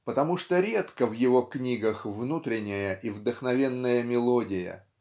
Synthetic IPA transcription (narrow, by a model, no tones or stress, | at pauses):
pət̪ɐmuʂt̪oɾʲe̞t̪kəvjɪvo̞knʲiɡəxvnut̪ɾʲɪnʲːɪjəʔivd̪əxnɐvʲe̞nːəjəmʲɪlˠodʲɪjə̰